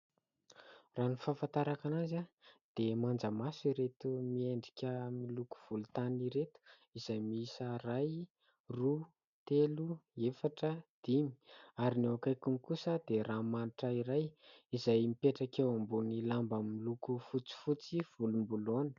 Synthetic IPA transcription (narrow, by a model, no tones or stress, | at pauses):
raːnifafant̪aɾakanazad̪̥emand͡zəmasiɾet̪umieɳɖ͡ʐi̥kʲəmiluku̥v̥ulut̪aniɾet̪u̥ | izajmiisəraj | ru | t̪eluefaʈ͡ʂəd̪̥imi̥aɾinewakajkumikusəd̪eɾamaniʈ͡ʂəiɾajizajmipeʈ͡ʂakewambunilambamilukufut͡si̥fut͡siv̥ulumbulonə̥